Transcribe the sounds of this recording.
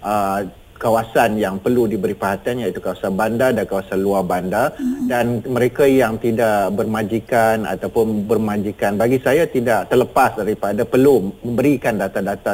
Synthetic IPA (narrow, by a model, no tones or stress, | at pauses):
ʔə | kawasanjaŋpərludibəɾipaɦat̪ianjait̪ukawasanbandadankawasanluabandadanmə̃ɾekajaŋt̪idaʔbərmãd͡ʒikana̰t̪awpʊnbərmãd͡ʒikanbaɡisajat̪idaʔt̪ərləpasdaɾipadapərlumə̃mbəɾikandat̪adat̪a